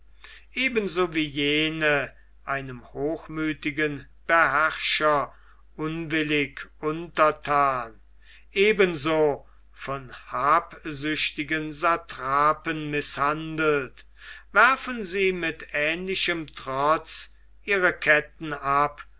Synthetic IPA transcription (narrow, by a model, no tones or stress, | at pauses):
ʔeːbənzoːviːjeːnə | ʔaɪnəmhoːxmyːtɪɡən | b̥əɦæʁʃɐ | ʔʊnvɪlɪkʰʔʊntɐtʰaːn | ʔeːbənzoː | fɔnhaːpzʏɕtɪɡənzatʁaːpənmɪshandəl̩t | væɐfənziːmɪtɛːnlɪʃəmtʁ̥ɔt͡s | ʔiːʁəkʰɛtn̩ap